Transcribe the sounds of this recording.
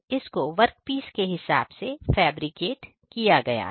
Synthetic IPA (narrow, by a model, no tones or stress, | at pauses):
ɪskoʋɐɾk̚piːskeɦɪsa̰ːbsefɛːbɾikeːʈ | kijaɡɐja̰ː